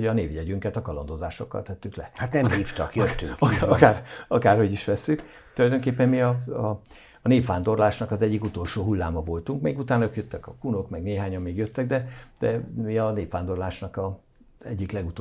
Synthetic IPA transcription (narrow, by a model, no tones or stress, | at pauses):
ɒneːviɛɟyŋkɛt̪ɒkɒlɒnd̪o̞zaːʃo̞kːɒ̰lt̪ɛt̪ːyklɛ̰hat̪nɛmhiːft̪ɒ̰kjøt̪ːyŋɒkaːrɒkaːrho̞ɟiʃʋɛsːyk | t̪ulɒjd̪oŋkeːpːɛmmiɒɒ | neːfʋaːnd̪o̞rlaːʃnɒkɒzɛɟːikut̪o̞lʃoːɦulːaːmɒvo̞lt̪uŋkmeːɡut̪aːnøkjøt̪ːɛkɒkunokmɛɡneːɦaːɲɒmːeːɡjøt̪ːɛɡ̚d̪ɛd̪̥ɛmiɒneːfʋaːnd̪o̞rlaːʃnɒkɒ | zɛ̰ɟːiklɛɡut̪